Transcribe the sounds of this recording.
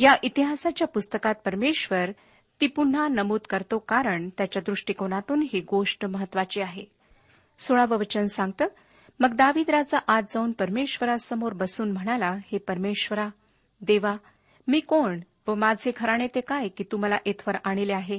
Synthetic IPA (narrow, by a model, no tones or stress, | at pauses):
jaʔit̪iɦasat͡ɕjapust̪əkat̪̚pəɾmeɕʋəɾ | t̪iːpun̤ːanəmuːt̪kəɾt̪okaɾəɳt̪jat͡ɕjad̪ɾuʂʈikoɳat̪uːnɦiɡoʂʈməɦət̪ːʋat͡ɕiːaɦe | soɭaʋəʋət͡ɕənsãŋɡ̚t̪əː | məɡd̪aʋiːd̪ɾat͡saʔad͡zd͡zauːnpəɾmeɕʋəɾasəmoɾbəsuːnm̤əɽ̃alahepəɾmeɕʋəɾa | d̪eʋa | miːkoɳ | ʋəmad͡zʱekʰəɾaɽ̃et̪ekajkiːt̪um̤alaʔet̪ʰʋəɾaɽ̃ileaɦe